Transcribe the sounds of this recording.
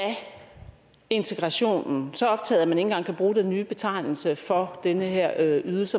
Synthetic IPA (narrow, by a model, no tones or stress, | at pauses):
æ | e̝nt͡sʰeɡ̥ʁɑ̈ɕo̝̰ːnn̩sɒ̽ɒ̽b̥̚t͡sʰɛ̰ːð̩ˠæmæne̝ŋn̩ɡ̥ɑ̈ŋ̰kʰæb̥ʁuːd̥enːyːb̥e̝t͡sʰɑ̈ɪ̰nl̩səfɒ̽d̥enəɦeɐ̰yðˠl̩sə